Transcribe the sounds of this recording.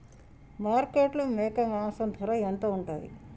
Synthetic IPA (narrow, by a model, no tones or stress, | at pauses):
maːɾkeʈlɐmɛːkɐmaːsɐnd̪ʱɐɾɐent̪oːuɳʈa̰ːjḭ